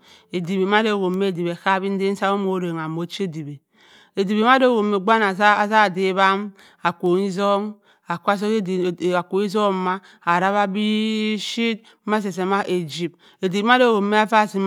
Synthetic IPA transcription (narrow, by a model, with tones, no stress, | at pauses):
e˨di˨βe˨m˦a˦do˦˨ɣo˨mːe˦˨di˨be˨ka˦bi˦n̩˦de˦n̩˦sa˦o˦mo˦ɾe˨ŋ˨a˨mo˨˦t͡ʃe˦di˨be˨ | e˨di˨be˨˦m˦a˦do˦˨ɣo˨mːe˨ɡ͡ba˦na˨˦˨za˦˨di˦βa˦m | a˨kʷo˨ŋi˦zo˦ŋ | a˨ka˦s̬o˦˨a˨ko˨i˦zo˦ma˦ | a˨ɾa˦βa˦bi˦ʃi˦ | ma˦s̬e˨s̬e˨ma˦ʔe˨d͡ʒi˨p̚ | e˨di˨˦m˦a˦do˦˨ɣo˨mːe˦a˦fa˦˨si˨m